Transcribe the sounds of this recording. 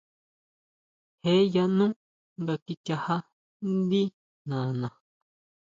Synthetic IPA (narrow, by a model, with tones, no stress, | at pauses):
he˦ja˧nũ˦ | ŋɡa˧ki˧t͡ʃa˧ha˦ | nd̪i˦ | nã˨nã˨